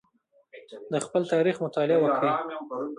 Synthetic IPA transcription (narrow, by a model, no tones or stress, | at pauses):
d̪əxpəlt̪ɑɾixmʊt̪ɑlɪawəkɽi